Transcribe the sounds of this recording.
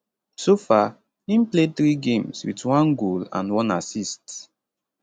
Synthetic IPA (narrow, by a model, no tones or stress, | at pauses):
sofa | ĩmpleθɾiɡẽmswḭtwɔ̃nɡolã̰nwɔ̃na̰sist